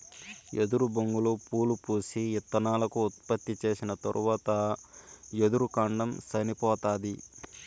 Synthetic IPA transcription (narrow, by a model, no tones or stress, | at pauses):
ʔed̪uɾubɐŋɡulupuːlupuːsiɛt̪ːɐnaːlɐkuːt̪̚pɐt̪ːit͡ʃe̞ːsinɐt̪ɐ̰ɾʔuʋaːt̪ɐ | jed̪uɾukaːɳɖɐmsɐnipɔːt̪aːd̪i